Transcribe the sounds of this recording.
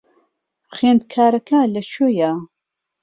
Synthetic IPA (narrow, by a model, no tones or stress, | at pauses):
χeːnd̪̚kʰaːɾɐkʰalɐt͡ʃoja